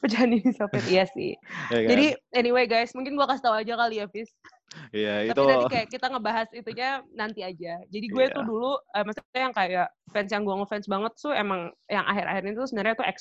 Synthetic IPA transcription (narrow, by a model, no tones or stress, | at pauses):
pəd͡ʒaanidisafɪt̪jasɪ̰hd͡ʒadiɛniweɡajsmuŋkɪnɡuakasi̥t̪auad͡ʒakaliafɪs | jait̪ap̪it̪adikajaʔkit̪aŋəbaɦasit̪uɲanant̪iad͡ʒad͡ʒadiɡuat̪ʊduluəmast̪ikit̪ajaŋkajaʔfɛnsjaŋɡuaŋofɛnsbaŋət̪̚sʊemaŋjaŋʔa̰ɦɪɾʔa̰hɪrɲat̪usəbənarɲat̪uɛ̰ks